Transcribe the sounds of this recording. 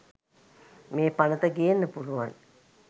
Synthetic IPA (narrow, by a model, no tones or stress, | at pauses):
meːpanət̪əɡijenːəpuluʋan